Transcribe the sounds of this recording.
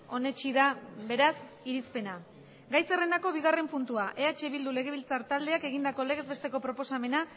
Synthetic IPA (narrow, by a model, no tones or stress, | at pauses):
o̞ne̞t͡ʃiðaβe̞ɾas | iɾispe̞na | ɡajse̞re̞nd̪ako̞β̞iɣ̞are̞mpunt̪uaʔe̞at͡ʃe̞βild̪ule̞ɣ̞e̞βilt͡saɾt̪ald̪e̞ake̞ɣ̞ind̪ako̞le̞ɣe̞zβe̞st̪e̞ko̞pɾo̞po̞same̞na